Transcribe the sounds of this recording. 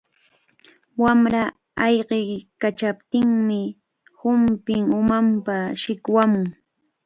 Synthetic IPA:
wamɾa | ɑjɢekat͡ʃapt̪ɪŋmɪ | hʊmpɪŋʊmampaʃɪkwamʊŋ

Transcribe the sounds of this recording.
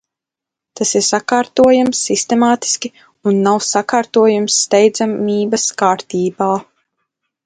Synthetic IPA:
t̪asiɾsakaːɾt̪uɔjamsːist̪emaːt̪i̥skʲi | unːawsakaːɾt̪uɔjumsːt̪ɛjd̪zamiːbɐskaːɾt̪iːbaː

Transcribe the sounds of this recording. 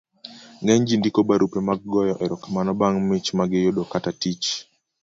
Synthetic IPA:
ŋɡɛɲd͡ʒindikobaɾupemaɡ̚ɡɔjɔʔɛɾɔkamanɔbaŋmɪt͡ʃmaɡɪjodokatatit͡ʃ

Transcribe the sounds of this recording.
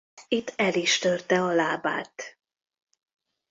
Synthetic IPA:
it̪ʰːɛliʃt̪ørt̪ɛɒlaːbaːt̪

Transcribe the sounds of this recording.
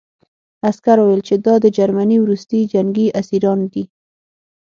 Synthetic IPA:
askaɾwewelt͡ʃed̪ɑd̪əd͡ʒaɾmaniwɾust̪id͡ʒaŋɡiasiɾɑnd̪i

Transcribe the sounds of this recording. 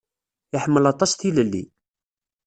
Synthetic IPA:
ɪħəmːəlɑt̪ˤɑst̪iləlːḭ

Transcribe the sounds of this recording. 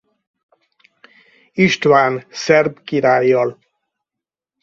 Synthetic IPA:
iʃt̪ʋaːnsɛrbkiɾaːjːɒl

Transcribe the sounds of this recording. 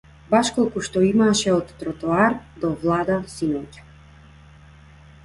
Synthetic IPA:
baʃkɔlˠkuʃt̪ɔimaʃɛɔt̪ːɾɔt̪ɔaɾd̪ɔvlˠad̪asinɔcḁ

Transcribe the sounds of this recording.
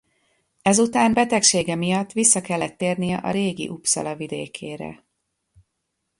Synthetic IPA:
ɛzut̪aːmbɛt̪ɛkʃeːɡɛmijɒt̪ːʋisːɒkɛlːɛt̪ːeːrnijɛʔɒ̰ɾeːɡḭʔupsɒ̰lɒvid̪eːkʰeːɾɛ̰

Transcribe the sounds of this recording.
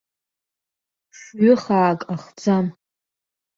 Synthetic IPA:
ʂɥʏχaːkʼaχd͡zam

